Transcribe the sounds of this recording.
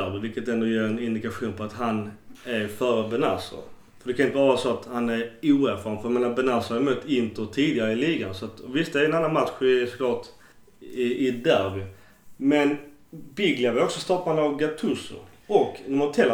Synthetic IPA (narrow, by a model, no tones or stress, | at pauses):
æɾbɪvɪlkːət̪ɛnd̪ɔjeːɾɛnɪnd̪ɪkaɧuːnpʰɔat̪ɦanæɾfœːɾəbɛna̰sə̰ɾ | fœɾɖɛkʰanɪnt̪əvɑɾɑːsɔat̪hanæɾuːæɾfɑːɾnfœɾjɛmeːnabɛnasʊaɾmuːt̪ːɪnt̪əɾt̪ʰiːd̪ɪɡaɾəɪliːɡansɔat̪ɔvɪst̪ɛæɾɛnanːanmat̪ɧɪsɔ̥kʰlɑːʈ | ɪɪd̪æɾbɪ | mɛn | bɪɡlɪavɛɾɔksɔst̪ɔpːanavɡat̪ʰɵsʊ̰ɔknæmat̪ʰɛlː